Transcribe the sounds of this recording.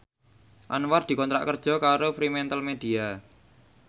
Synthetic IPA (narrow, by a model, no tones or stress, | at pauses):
ʔa̰nward̪̥i̤kɔnt̪ɾa̰ʔkərd̥ʒ̥ɔ̤kaɾofɾimɛnt̪əlmed̥i̤a